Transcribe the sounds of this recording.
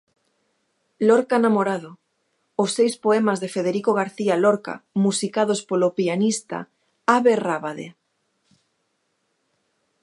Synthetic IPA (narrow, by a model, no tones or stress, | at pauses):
lɔɾkanamoɾaðo | ʊsːejspoɛmazðefeð̞eɾikoɣ̞aɾθialɔɾka̰musikað̞ospolopianist̪a̰ | aβeraβaðḛ